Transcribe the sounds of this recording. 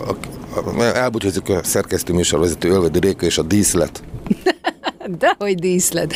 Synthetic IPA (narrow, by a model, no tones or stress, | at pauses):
ɒ̰ | ɛlbucozikɒsɛrkɛst̪øːmyːʃorvɛzɛt̪øːølvɛd̪øːɾeːkɒeːʃɒd̪iːslɛ̰t̪ | d̪ɛhoɟd̪iːslɛt̪